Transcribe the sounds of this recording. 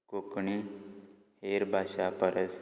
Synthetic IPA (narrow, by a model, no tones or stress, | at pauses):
kokɳi | heːɾbʱaːʃapəɾəs